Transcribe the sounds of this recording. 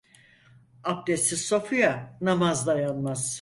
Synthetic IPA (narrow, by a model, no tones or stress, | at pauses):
ap̚d̪esiso̞fujanamazd̪ajanmaz̥